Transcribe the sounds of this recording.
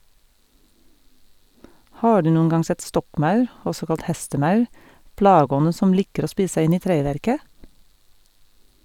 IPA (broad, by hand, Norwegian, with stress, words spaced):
ˈhɑː ˈɖʉː ˈnuːən ˈɡɑŋ ˈsɛt ˈstɔkˌmɑʉɾ ˈɔsɔ ˈkɑlt ˈhɛstəˌmɑʉ ˈplɑːɡəˌɔnə ˈsɔm ˈlɪkəɾ ˈoː ˈspiːs̩ ˈsæɪ ˈɪn ˈiː ˈtɾeːˌʋæɾkə